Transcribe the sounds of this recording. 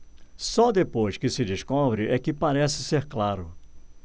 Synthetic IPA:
sɔd̪epojskɪsɪd͡ʒ̪ɪskobɾɪʔɛkɪpaɾɛsɪ̥seɾklaɾʊ

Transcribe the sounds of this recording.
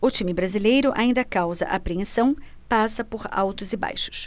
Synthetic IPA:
ʊt͡ʃimɪbɾazilejɾʊʔaĩnd̪ɐkawzɐ̰ʔapɾiẽsɐ̃w̃ | pasɐpoɾa̰wt̪ʊzɪba̰jʃʊ̥s

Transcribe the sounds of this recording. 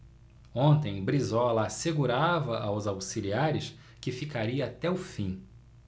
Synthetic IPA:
õnt̪ẽj̃bɾizɔlɐːseɡuɾavɐʔawzawsiliaɾɪʃ | kɪfikaɾiɐːt̪ɛʊfĩ

